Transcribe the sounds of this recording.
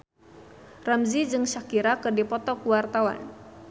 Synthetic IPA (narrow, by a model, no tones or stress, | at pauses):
ramzid͡ʒɨŋʃakiɾakɨrdipɔt̪ɔkuwart̪awa̰n